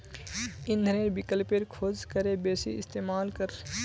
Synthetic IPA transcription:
ɪ̃nd̪ʱəɾeːɾbɪkəlpeɾkʰoːzkəɾebeːsḭɪ̰st̪eːmaːlkəɾ

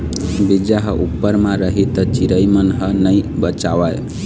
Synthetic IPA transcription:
bid͡ʒaɦʌʔupːəɾmaɾəɦit̪ət͡ʃiɾəjmənɦənəjbət͡ʃawaj

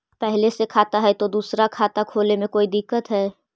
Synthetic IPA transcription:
pɛɦlesekʰaːt̪aɦɛt̪od̪uːsɾakʰaːt̪akʰoːlemẽkoːid̪ɪkːət̪ɦɛː

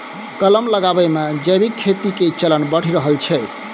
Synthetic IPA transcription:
kələmləɡabəmed͡ʒəbikʰːet̪iket͡ʃələnbəɽ̤iɾəɦəlt͡ʃʰɛ

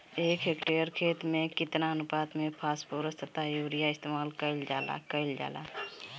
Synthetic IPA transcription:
eːkɦekʈeəɾkʰeːt̪mẽkɪt̪naənʊpaːt̪mẽpʰaːspoːɾəst̪ət̪ajoːɾijaɪst̪eːmaːlkəld͡ʒaːla̰kəɪld͡ʒa̰ːla̰ː

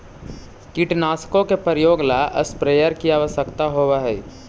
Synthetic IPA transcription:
kiʈnaːskõkepəɾjoːɡlaʔə̰spɾeːjəɾkiaːʋəsəkt̪aɦoːʋaɦɛː

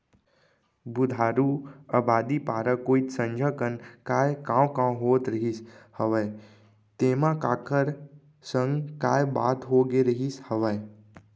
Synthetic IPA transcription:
bʊd̪ʱaɾuəbad̪ipaɾəkoit̪sə̃ɲd͡ʒʱəkənkajkãwkãɦot̪ɾəɦishəʋaj | t̪emãkakəɾ | səŋɡkajbaːt̪ɦoɡeɾəɦishəʋaj

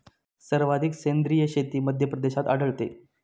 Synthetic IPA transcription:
səɾʋad̪ʱiksend̪ɾijəɕet̪iːməd̪ʱjəpɾəd̪eɕat̪a̰ɽ̤əɭt̪ḛ

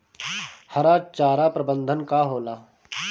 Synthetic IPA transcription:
hɐɾaːt͡ʃaːɾapɾəbə̃nd̪ʱənkaɦoːlaː

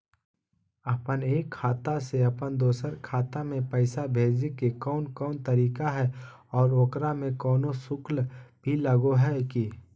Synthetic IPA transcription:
ɐpəneːkʰːaːt̪aseɐpənd̪oːsəɾkʰaːt̪amẽpəɪsabʱeːd͡ʒikekɔːnkɔːnt̪ɐɾiːkaɦɛ | ɔːɾoːkɾamẽkɔːnosʊklb̥ʱiləɡoɦɛki

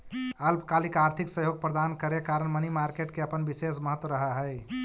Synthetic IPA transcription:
əlpkalikaɾt̪ʰiksəɦjoɡ̚pɾəd̪ankəɾekaɾənmənimaɾkeʈ̚keəpənbisesməɦət̪ːwəɾəɦəɦə

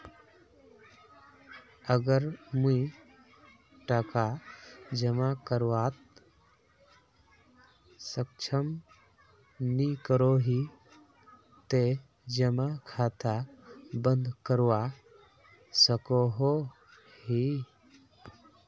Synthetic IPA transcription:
əɡəɾmui | ʈəkad͡ʒəmakəɾwaːt̪̚ | sək̚t͡ʃʰəm | nikəɾoɦi | t̪e | d͡ʒəmakʰaːt̪abə̃nd̪kəɾwa | səkoɦo | ɦi

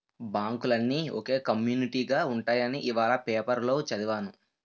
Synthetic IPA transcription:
baːŋkulɐnːiːoke̞ːkɐmjuːniʈiːɡaːuɳʈaːjɐniʔiʋaːlɐpeːpɐɾlo̞ːt͡ʃɐd̪iʋaːnu

